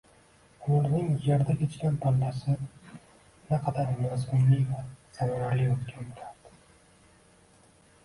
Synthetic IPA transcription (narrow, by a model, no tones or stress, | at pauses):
olnɪŋjeɾd̪akʲʰet͡ʃkʲanp̪ʰɒnːasɪ | naqʰɑd̪aɾmazmʊnlɪvaz̥amaɾaɾlɪot̪kʲʰanbet̪ʰaɾd̪̥ɪ̥